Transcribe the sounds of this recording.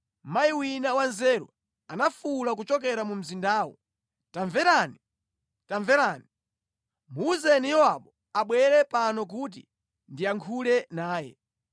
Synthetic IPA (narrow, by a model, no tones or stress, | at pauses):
majiwinawanzɛɾṵ | anafulak̬ut͡ʃɔkɛɾamum̩zindaːwɔ̰ | taɱvɛɾani | taɱvɛɾaːni | muzɛnijɔaɓɔ | aɓwɛɾɛpanɔk̬ut̬ḭ | ndiaŋkʰulɛnaːjɛ̰